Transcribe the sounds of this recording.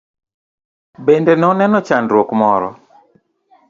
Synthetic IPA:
bendɛnɛɔnɛnɔt͡ʃandɾwokmɔɾɔ̰

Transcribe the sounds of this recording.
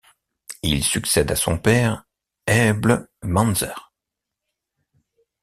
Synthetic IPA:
ilsyksɛd̪asɔ̃pɛʁ | ɛblmɑ̃nzɛʁ

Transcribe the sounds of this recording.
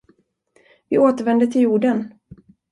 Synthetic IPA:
vɪoːt̪əɾvɛnd̪ət̪ʰɪljuːɖən

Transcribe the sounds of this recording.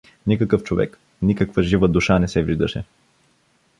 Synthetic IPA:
nikəkɤft͡ʃovɛ̰k | nikəkvəʒivəd̪uʃanɛsɛviʒd̪əʃɛ

